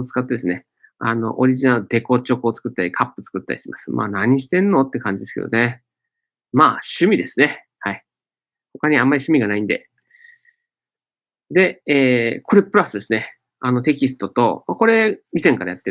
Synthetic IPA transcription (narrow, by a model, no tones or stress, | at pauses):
t͡sɨ̥kat̪ːe̞d̪e̞sɨne̞ | ano̰ʔoɾʲiʑinaɯd̪eko̞t͡ɕo̞kɯ̟ot͡sɨ̥kɯ̟t̪ːaɾʲikʰapːɯ̥t͡sɨ̥kɯ̟t̪ːa̰ɾʲiɕemasɨ̥ma̰ːnaɲ̟iɕ̬i̥t̪ẽ̞nːo̞t̪ːe̞kãɲ̟d͡ʑid̪esɨ̥kḛd̪one̞ | maːɕɨmʲid̪e̞sɨne̞ | hai | ho̞kaɲ̟iãmːaɾiɕɨmʲiɡanaĩnd̪e̞̰ | d̪e̞eːkʰo̞ɾe̞pɯɾasɨd̪e̞sɨne̞ | ano̞t̪e̞kʲisɨ̥t̪o̞t̪o̞mako̞ɾe̞mʲisẽ̞ŋkaɾajat̪ːe